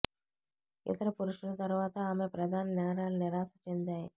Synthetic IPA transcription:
ɪ̰t̪ɐɾɐpuɾuʂʋɐlɐt̪ɐɾʋaːt̪ɐaːmepɾɐd̪ʱaːnɐnɛːɾaːlnɪɾaːsɐ̥t͡ʃend̪aːji

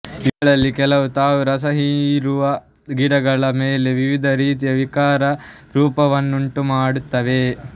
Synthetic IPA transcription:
iɡɐɭɐlːikɛlɐʋut̪aːʋuɾɐsɐɦiːɾuʋɐ | ɡiɽɐɡɐɭɐmeːle̞ʋiʋid̪ʱɐɾiːt̪ijɐʋikaːɾɐɾuːpɐʋɐnːuɳʈumaːɽut̪ːɐʋe

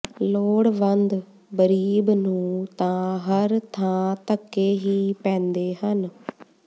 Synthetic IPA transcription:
loːɽʋənd̪ | ɡəɾiːbnũːt̪ãːɦəɾt̪ʰãːt̪əkːeːɦiːpɛ̃ːnd̪eːɦən

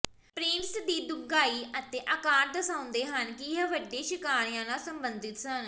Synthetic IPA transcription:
pɾɪɳsd̪iːd̪ʊɡaːiːət̪eːʔəkaːɾd̪əsãːʊ̃nd̪eːɦənkɪə̃ːʋəɖẽːʃɪkaːɾɪjãːnãːsəmbənd̪ɪt̪sən

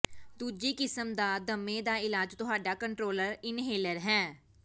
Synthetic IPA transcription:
d̪uːd͡ʒiːkɪsəmd̪aːd̪əmːẽːd̪aːɪlaːd͡ʒt̪ʊɦaːɖaːkə̃ɳʈɾoːləɾɪnɦeːləɾɦɛ̃ː

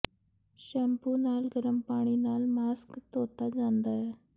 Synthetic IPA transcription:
ʃɛːmpuːnaːlɡəɾəmpaːɳ̃iːnaːlmaːskt̪oːt̪ad͡ʒãːnd̪aːɦeː

